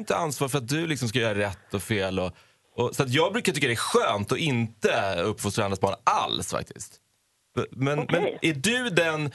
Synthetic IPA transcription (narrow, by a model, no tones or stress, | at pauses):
ɪnt̪əansvɑːɾfœɾat̪̚d̪ɵlɪksɔmskajœːɾaɾɛt̪ːɔfeːlɔ | ɔsɔat̪̬jɑːɡ̚bɾʉkat̪ʏkːad̪ɛæɧøːnt̪ɔʔɪnt̪əɵpːfʊst̪ɾanɾasbɑːnʔa̰lsfa̰k̚t̪ʰɪ̰st̪ | mɛnmɛnʔæɖɵd̪ɛn